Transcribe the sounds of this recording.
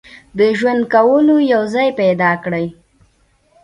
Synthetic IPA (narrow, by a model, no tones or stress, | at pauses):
d̪əʒwand̪̚kawəlojawzɑjpajd̪ɑkɽəj